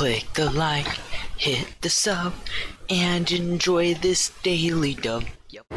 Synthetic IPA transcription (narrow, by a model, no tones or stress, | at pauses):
ɪk̚ðəlaɪkhɪt̪̚ðɨsʌp̚ɨ̃nɨ̃nd͡ʒɔɪðɪsd̥eɪlˠidʌb̥̚